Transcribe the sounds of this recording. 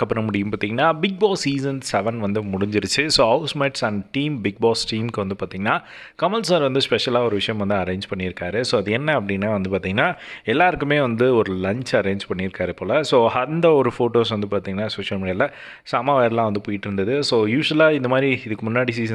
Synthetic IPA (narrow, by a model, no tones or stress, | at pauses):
kɐpːɐɾɐ̃mʊɽɪjɯ̃mpaːɾt̪ĩːŋɡɐnːaːbɪɡ̚baːsːiːsɐnsɛʋɐnʋɐnd̪ɯmʊɽɪɲd͡ʒɪɾɯt͡ʃːɯsoːɐʊsmeʈsɐɳɖʈiːmbɪɡ̚baːsʈiːmkɯʋɐnd̪ɯpaːɾt̪iːŋɡɐnːaː | kɐmɐlsaːɾʋɐnd̪ɯspɛʂɐlaːɔɾɯʋɪʂɐjɐ̃mʋɐnd̪ɯɐɾẽːɲd͡ʒpɐɳːɪɪɾɯkːaːɾɯsoːɐðɯɛnːɐɐpːɐɽiŋɡnːaːʋɐnd̪ɯpaːɾt̪iːŋɡɐnːaːɛlːaːɾɯkːɯmeːʋɐnd̪ɯɔɾɯlɐɲt͡ʃɐɾẽːɲd͡ʒpɐɳːɪɪɾɯkːaːɾɯɪpːoːlɐsoːɐnd̪ɐɔɾɯfoːʈoːsʋɐnd̪ɯpaːɾt̪ĩːŋɡɐnːaːsoːʂɐlmiːɽɪjaːlɐ | saːmaːʋeːɾɐlãːʋɐnd̪ɯpoːjɪʈːɪɾɯnd̪ɐðɯsoːjuːʂɐlaːɪnd̪ɐmaːd̪ɾiɪðɯkːɯmʊnːaːɽisiːs